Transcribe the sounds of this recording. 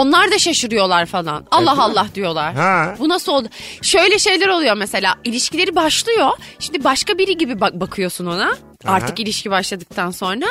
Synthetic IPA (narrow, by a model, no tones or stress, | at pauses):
o̞nlˠaɾd̪aʃaʃɯɾɯjo̞lˠaɾfalˠa̰nalˠːaɦalˠːahd̪ijo̞lˠaɾ̥bunasɯold̪ʊʃø̞jlʲɛʃe̞jlʲæɾo̞lˠujo̞mese̞lʲa̰ːilʲiʃcʰilʲe̞ɾibaʃlˠɯjo̞ʃimd̪ibaʃkabiɾiɟibibabakʰɯjo̞suno̞na | aɾt̪ʰɯkilʲiʃcʰibaʃlˠad̪ɯk̚t̪ʰanso̞nɾa